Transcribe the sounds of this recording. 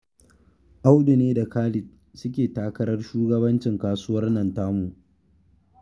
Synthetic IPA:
ʔa˦wɗʊ˨neː˦da˨kaː˦lɪ˨t | sʊ˦kʲeː˨taː˦kɐ˦ɾɐ˦rʃuː˦ɡɐ˦bɐ˦nt͡ʃɪ˨ŋkaː˦sʊ˦wɐ˦rnɐ˨ntaː˦mu˨ʔ

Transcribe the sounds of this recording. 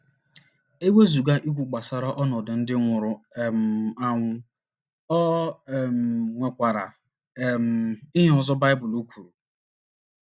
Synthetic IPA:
e˦ɡʷe˦zu˨ɡa˦ʔi˦kʷu˨k͡pa˨sa˨ɾa˦ʔɔ˦nɔ˨dʊ˨n̩˦dɪ˦ŋʷʊ˨ɾʊ˨m˨a˦ŋʷʊ˦ | ɔ˦˨m˨ŋʷe˨kʷa˨ɾa˨ | m˨ɪ˦ɦɔ˨zɔ˦ba˦ɪ˦bʊ˨lu˦kʷu˨ɾu˨

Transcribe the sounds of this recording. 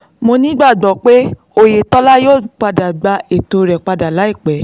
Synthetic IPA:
mo˧nĩ˦ɡ͡ba˦˨ɡ͡bɔ˨k͡pe˦ | o˧je˨tɔ˦la˦joː˦˨k͡pa˧da˨ɡ͡ba˧e˨to˨˧ɾɛ˨k͡pa˧da˨la˨˦i˦˨k͡pɛ˨˦

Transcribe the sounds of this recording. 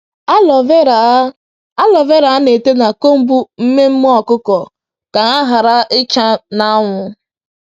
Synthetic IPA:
lɔ˨ve˦ɾ | a˦lɔ˨ve˦ɾa˨a˦ne˨te˦na˨ko˦m̩˦bu˦m̩˦me˦m̩˦m˦ɔ˦˨kʊ˦kɔ˨ | ka˨ŋa˦ɦa˨ɾa˦ʔɪ˦t͡ʃa˦na˦ŋʷʊ˨

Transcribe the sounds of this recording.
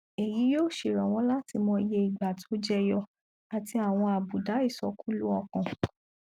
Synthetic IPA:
e˨ji˨˦joː˦˨ʃe˨ɾɔ̃˨w̃ɔ̃˨˦la˦ti˧mɔ̃˧i˧je˧i˨ɡ͡ba˨to˨˦d͡ʒɛ˦jɔ˧ | a˨ti˧a˨w̃ɔ̃˧a˨bu˨da˨˦i˦˨sɔ˧˦kũ˦lu˦ɔ˧kɔ̃˨

